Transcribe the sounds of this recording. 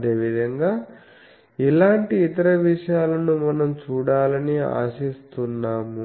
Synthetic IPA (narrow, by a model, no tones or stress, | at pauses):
ɐd̪e̞ːʋid̪ʱɐŋɡaː | ilaːɳʈiːt̪ɐɾɐʋiʂɐjaːlɐnumɐnɐmt͡ʃuːɽaːlɐnia̰ːsist̪unːaːmu